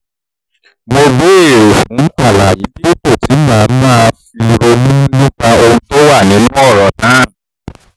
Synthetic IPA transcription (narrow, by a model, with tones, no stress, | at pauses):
mo˧ɡu˦e˦˨ɾo˨kũ˨˦ka˦˨la˨jĩ˨˦bi˦i˦k͡po˦˨ti˨˦mãː˨˦mã˦˧fi˧ɾo˧mũ˦lu˦ba˧o˧ũ˧to˦wa˦˨nĩ˨˦lũ˦ɔ˦˨ɾɔ˨nãː˨˦˨